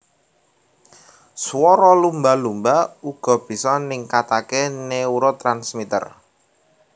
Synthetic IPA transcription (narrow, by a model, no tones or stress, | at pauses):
swɔɾɔlumbalumbauɡ̥ɔ̤b̥i̤sɔnɪŋkat̪akeneuɾɔt̪ɾansmit̪ə̰r